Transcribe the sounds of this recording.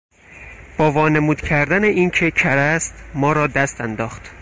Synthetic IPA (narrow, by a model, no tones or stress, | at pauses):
b̥ɒːvɒːnemuːd̪cʰæɾd̪æneʔiːncʰecʰæɾæst̪mɒːɾɒːd̪æst̪ænd̪ɒːxt̪